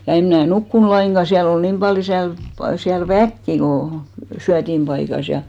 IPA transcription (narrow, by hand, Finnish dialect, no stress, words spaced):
jɑ em mnæˑ nukːun lɑiŋɡ̊ɑ siæl ol niːm b̥ɑljo siælp siæl ʋækːi ko syætimb̥ɑikɑs jɑ